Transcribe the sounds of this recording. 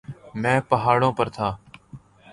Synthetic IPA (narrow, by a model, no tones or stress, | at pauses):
mɛ̃ːpəɦaːɽõːpəɾt̪ʰaː